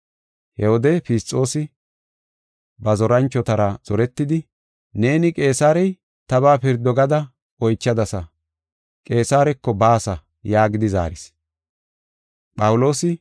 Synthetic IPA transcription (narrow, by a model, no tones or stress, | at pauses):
hɛhɔd̪ɛfɪst͡sʼːo̞ːsɪ | bɐzɔɾɐnt͡ʃːɔt̪ɐɾɐz̥ɔɾɛt̪ːɪd̪ɪ | ne̞ːnɪkʼe̞ːsaːɾɛj | t̪ɐβaːpɪɾd̪ɔɡɐd̪ɐ | ɔjt͡ʃːɐd̪ɐsɐ | kʼe̞ːsaːɾɛkːɔbaːsɐ | jaːɡɪd̪ɪza̰ːɾɪs | pʼɐwlo̞ːsɪ